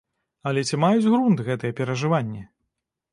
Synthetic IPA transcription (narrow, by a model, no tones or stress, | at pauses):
ɐlʲɛt͡sʲimajud͡zʲɣɾunt̪ɣɛt̪ɨjɛpʲɛɾɐʐɨvanʲːɛ